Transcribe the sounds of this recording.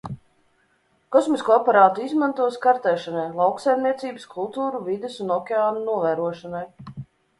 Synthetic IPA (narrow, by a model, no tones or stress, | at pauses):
kɔsmiskuapaɾaːt̪uizmant̪uɔskaɾt̪ɛːʃanajlˠawksajmniɛt̪siːbɨskʰulˠt̪uːɾuvid̪esunɔkʲeaːnunuɔvæːɾuɔʃanaj